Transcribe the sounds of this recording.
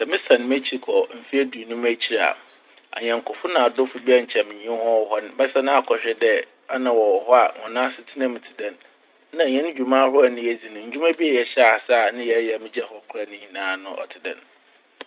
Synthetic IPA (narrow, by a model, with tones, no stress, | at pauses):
sɛ˨mɪ̃˦sã˨n˨m˦æ˦t͡ɕʰi˦kʰɔ˨m̩˨fi˦æ˦du˨nʊ̃˦m˦æ˦t͡ɕʰi˦˨ɾa̰˨ | a̰˨ɲɛ̃˨ŋ̩˨kʰʊ˨fʊ˦nã˨a˨dʊ˦fʊ˨bi˦a˦ɲ̩˨t͡ɕʰɛ˨mɪ̃˨ɲĩ˨˦ɛ̃˦hɔ˦ɔ˨hɔ˦ñ˨bɛ˦sɛ˦nʊ̃˦a˨kʰɔ˨ɕᶣɪ˦dɛ˦ | a˦nã˨wɔ˨hɔ˦a˨ŋɔ̰̃˨nãː˦sɪ˨tʰi˦nã˦m˨tʰɪ˨dɛ̃˨n | nã˨ɲɛ̃˦nʊ̃˦d͡ʑᶣu˨mãː˦hʊ˦a˦˨nɪ̃˦jɛ˨d͡zi˨nʊ̃˨ɲ̩˨d͡ʑᶣu˦mã˦bi˦ɛ˨jɛ˨ɕɛ˦a˨sa˦˨nʊ̃˦jɛ˨˦jɛ˨mɪ̃˦d͡ʑɛ˦hɔ˨˦kʰʊ˦a˨nʊ̃˦ɲĩ˨nãː˨˦nʊ̃˦ʔɔ̰˨tʰɪ˨dɛ̰̃˨n